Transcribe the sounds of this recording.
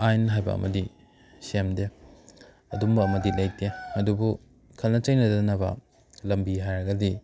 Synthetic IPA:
ajnɐɦajbɐ̰ɐ̰mɐdi | semde | ɐdumbɐɐmɐdilɐj̚teɐdubu | kʰɐlnɐt͡ʃɐjnɐdɐnɐbɐ̰ | lɐmbiɦajɾɐɡɐdi

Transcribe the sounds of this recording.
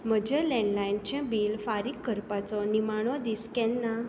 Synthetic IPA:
m̤əd͡ʑʱɛlɛ̃ɳɖlaint͡ɕãbilfaɾikːəɾpat͡sɔnimaɽ̃ɔd̪iskɛ̃nːa

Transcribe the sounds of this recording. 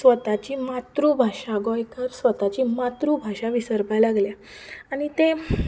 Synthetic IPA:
sʋət̪at͡ɕiːmat̪ɾubʱaʂaɡɔjkʰəɾsʋət̪at͡ɕiːmat̪ɾubʱaɕaʋisəɾpajlaɡlja | aɽ̃it̪e

